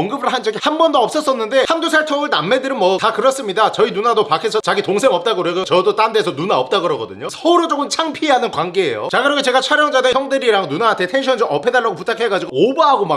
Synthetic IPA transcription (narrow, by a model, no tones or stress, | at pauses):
ŋɡɯbɯɭɦand͡ʑʌɡihanbʌndoʌps͈ʌs͈ʌnːɯnde̞handosʰaɭtʰoŋɯɭnamːe̞dɯɾɯnmʌtakɯɾʌs͈ɯmɲidat͡ɕʌinunadopakʰesʰʌt͡ɕaɡitoŋsʰeŋʌp̚t͈aɡɯɾʌɡot͡ɕʌdot͈andesʰʌnunaʌp̚t͈aɡɯɾʌɡʌdɯɲosʰʌuɾod͡ʑ͈okʰɯmt͡ɕʰaŋpʰiɦanɯnkwanɡeḛjo̰t͡ɕaɡɯɾʌkʰet͡ɕe̞ɡat͡ɕʰaɾjʌŋd͡ʑaneçjʌŋdeɾiɾaŋnunaantʰe̞tʰe̞nɕʰʌnd͡ʑʌmʌpʰe̞daɭːaɡoputʰakʰe̞ɡad͡ʑiɡoobaɦaɡoma